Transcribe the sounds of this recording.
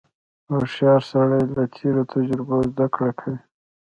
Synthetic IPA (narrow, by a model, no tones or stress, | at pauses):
aʃɑɾsaɽajlat̪ʰeɾot̪ʰad͡ʒɾɪbozd̪akɽakʰawi